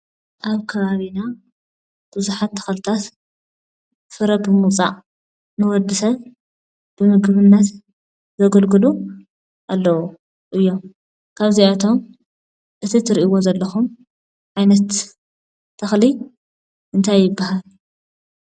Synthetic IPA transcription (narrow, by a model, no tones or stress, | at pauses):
ʔaβkʰɐβaβina | b̥ɨzuħat̪ʰːɐ̥xlɨt̪ʰat̪ | fɨɾɐbɨmut͡sʼa̰ʔ | nɨwɔd̪ːɨsɐβ | b̥ɨmɨɡβɨnːɐt̪ | zɐɡɐlɡɨlu | ʔalːɐwu | ʔɨjːo̞m | kʰaβziat̪ʰo̞m | ʔɨt̪ʰit̪ʰɨɾiʔiwo̞zɐlːɐxum | ʕajnɐt̪ːʰ | ɐxli | ʔɨnt̪ʰajːɪbːahal